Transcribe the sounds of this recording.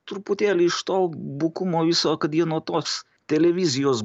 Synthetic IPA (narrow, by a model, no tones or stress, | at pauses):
t̪ɾʊpʊt̪ʲeːlʲɪɪʃt̪oːbʊkumoːʋʲɪsoːkɐt̪jiɛnuɔt̪oːs | t̪ʲɛlʲɛʋʲɪzʲɪjoːs